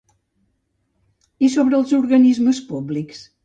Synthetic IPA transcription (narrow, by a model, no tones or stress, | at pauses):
isoβɾəlˠzuɾɣənizməspubliks